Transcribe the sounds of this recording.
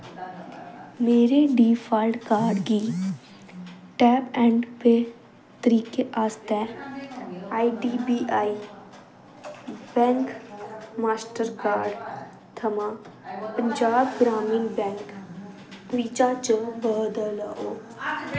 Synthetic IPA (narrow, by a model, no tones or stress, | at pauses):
meːɾeɖiːfʰaːlɖkaːɾɖɡiː | ʈɛːpɛ̃ːɳɖpe | t̪əɾiːkeʔaːst̪ɛ | aːiɖiːbiːʔaːi | bɛ̃ːŋkmaːsʈəɾkaːɾɖ | t̪ʰɐmãpə̃ɲd͡ʒaːbɡɾaːmĩːnbɛ̃ːŋk | ʋiːt͡ʃat͡ʃə̃bəɦd̪əlaʔoː